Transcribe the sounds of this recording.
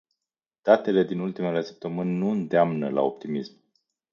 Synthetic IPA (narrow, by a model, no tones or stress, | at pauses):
d̪̥at̪e̞le̞d̪inult̪ime̞le̞sə̥p̚t̪əmɨnʲnuɨnd̪eamnəla̰o̞p̚t̪imism